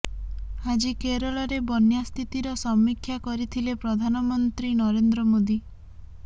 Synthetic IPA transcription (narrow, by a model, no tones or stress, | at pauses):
ad͡ʒikeɾɔɭɔɾebɔnjast̪ʰit̪iɾɔsɔmːikʰːjakɔɾit̪ʰilepɾɔd̪ʱanɔmɔnt̪ɾinɔɾend̪ɾɔmod̪i